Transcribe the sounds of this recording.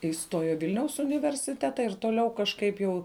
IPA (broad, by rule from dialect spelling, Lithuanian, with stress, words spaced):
ɪˈstoːjoː ɪ ˈʋʲɪlʲnʲɛʊs ʊnʲɪʋʲɛrʲsʲɪˈtʲæːtɐ ɪr toːˈlʲɛʊ kɐʃˈkɐɪp jɛʊ